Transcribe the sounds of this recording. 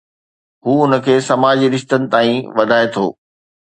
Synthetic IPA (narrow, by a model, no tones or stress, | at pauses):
ɦuːʊnə̆kʰeːsɐmaːd͡ʑiɾɪʃt̪ənɪ̆t̪aːĩʋɐd̪ʱaːet̪ʰo̰ː